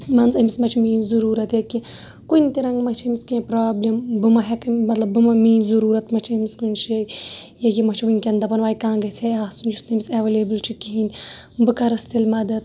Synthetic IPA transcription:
mɐnzɐmismɐt͡ʃʰimiːnzuɾuːɾɐt̪jɐki | kunʲt̪iɾɐŋɡmɐt͡ʃʰɐmiskẽːpɾaːblimbɨmɐɦekɨmɐt̪lɐbːɨmɐmiːnzuɾuːɾɐt̪mɐt͡ʃʰɐmiskunʲʃɐjɐjimɐt͡ʃʰʋɨnʲkʲend̪ɐpɐnʋaːjkãːɡɐt͡sʰeaːsunusnɐmisɐʋelebɨlt͡ʃʰikiɦinʲbɨkɐɾɐst̪ilmɐd̪ɐt̪

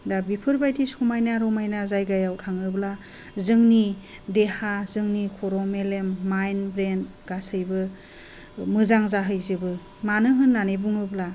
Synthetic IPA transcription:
dabipʰɯɾbajdisumajnaɾɔmajnazajɡajawtʰaŋɯbla | zɯŋni | dehazɯŋnikʰoɾɔmelemːajnbɾent | ɡ̥asɯjbɯ | mɯzaŋzaɦɯjzɯbɯ | manɯɦɯnːanebuŋɯbla

